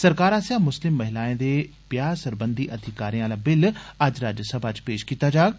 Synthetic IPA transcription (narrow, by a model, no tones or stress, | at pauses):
sɐɾkaːɾaːsjamʊslɪmːɐɦɪlaːĩnd̪e | pjaːsɐɾbə̃nd̪ʱiʔɐd̪ʱɪkaːɾijãlabɪlɐd͡ʑɾaːd͡ʑəsɐbʱat͡ɕpeːʃkiːt̪ad͡ʑaːɡ